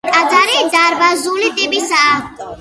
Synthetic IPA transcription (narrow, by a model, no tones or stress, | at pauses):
ad̪aɾed̪aɾbazulit̪ʼebisa